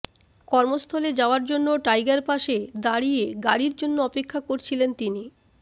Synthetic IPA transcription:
kɔɾmost̪ʰɔled͡ʑaoaɾd͡ʑonːoʈajɡaɾpaʃed̪aɽieɡaɽiɾd͡ʑonːoɔpekʰːakoɾt͡ɕʰilent̪ini

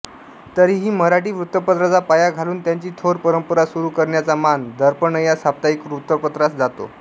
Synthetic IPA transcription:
t̪əɾiːɦiːməɾaʈiːʋɾut̪ːəpət̪ɾət͡sapajaɡʱaluːnt̪jaɲt͡ɕiːt̪ʰoɾpəɾəmpəɾasuɾuːkəɾɳjat͡samand̪əɾpəɳəjasap̚t̪aikʋɾut̪ːəpət̪ɾasd͡zat̪o̰

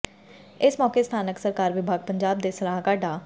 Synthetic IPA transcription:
ɪsmɔːkeːst̪ʰaːnəksəɾkaːɾʋɪbʱaːɡ̚pəɲd͡ʒaːb̚d̪eːsəlaːɦkaːɖaː

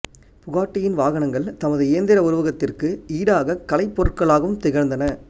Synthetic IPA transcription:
pʊɣaːʈːɪjɪnʋaːɣɐnɐŋɡɐɭt̪ɐmɐðɯɪjɐnd̪ɪɾɐʊɾɯʋɐɣɐt̪ːɪrkɯiːɽaːɣɐkːɐlɐɪpːɔɾɯʈkɐɭaːɣɐʋɯmt̪ɪɣɐɾnd̪ɐnɐ

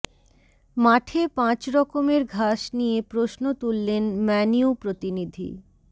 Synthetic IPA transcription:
maʈʰepãt͡ɕɾɔkomeɾɡʱaʃnijepɾoʃnot̪ulːenmɛniupɾot̪inid̪ʱḭ

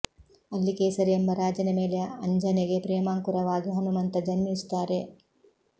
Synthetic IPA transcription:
ɐlːikeːsɐɾiembɐɾaːd͡ʒɐnɐme̞ːleɐɲd͡ʒɐneɡe̞pɾɛːmaːŋkuɾɐʋaːɡiɦɐnumɐnt̪ɐd͡ʒɐnmist̪aːɾe̞

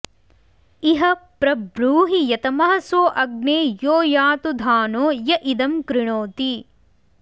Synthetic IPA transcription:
iɦɐpɾɐbɾuːɦijɐt̪ɐmɐɦɐsoːʔɐɡ̚neːjoːjaːt̪ud̪ʱaːnoːjɐʔid̪ɐmkɾɪɳoːt̪i

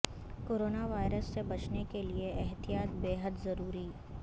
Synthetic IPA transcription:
koːɾoːnaʋaːɪɾəsːebɐt͡ʃnekelieɛɦt̪ijaːt̪beːɦəd̪zɐɾuːɾiː

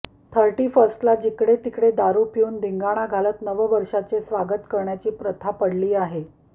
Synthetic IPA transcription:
t̪ʰəɾʈiːfəsʈlad͡ʑikɽet̪ikɽed̪aɾupjuːnd̪iŋɡaɽ̃aɡʱalət̪nəʋəʋəɾʂat͡sesʋaɡət̪kəɾɳjat͡ɕiːpɾət̪ʰapəɽliːaɦe

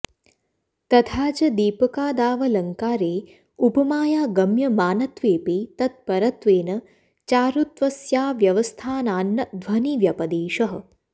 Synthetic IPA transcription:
t̪ɐt̪ʰaːt͡ʃɐd̪iːpɐkaːd̪aːʋɐlɐŋkaːɾeː | upɐmaːjaːɡɐmjɐmaːnɐt̪ʋeːpit̪ɐt̪̚pɐɾɐt̪ʋeːnɐ | t͡ʃaːɾut̪ʋɐsjaːʋjɐʋɐst̪ʰaːnaːnːɐd̪ʋɐniʋjɐpɐd̪eːʃɐɦɐ̆

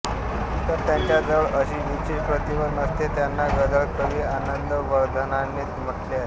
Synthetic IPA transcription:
t̪əɾt̪jaɲt͡ɕjad͡zəɭəɕiːʋit͡ɕiːpɾət̪ibəd̪nəst̪et̪janːaɡəd̪əɭkəʋiːanənd̪əʋəɾd̪ʱənanːeːt̪m̤əʈleaɦe

